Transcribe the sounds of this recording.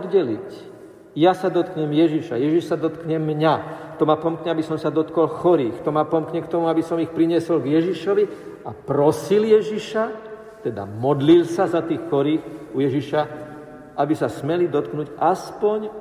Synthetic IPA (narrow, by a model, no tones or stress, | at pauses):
d̪ɟɛlic | jasad̪ɔt̪kɲɛmjɛʒiʃa̰jɛʒiʃsad̪ɔt̪kɲɛmːɲat̪ɔmapɔmkɲɛabisɔmsad̪ɔt̪kɔlxɔɾiːxt̪ɔmapɔmkɲɛkt̪ɔmuabisɔmixpɾiɲɪɛsɔlɡjɛʒiʃɔʋi | apɾɔsiljɛʒiʃa | t̪ɛd̪a̰mɔd̪lilsazat̪iːxːɔɾiːxujɛʒiʃa | ʔabisasmɛlid̪ɔt̪knuɟaspɔɲ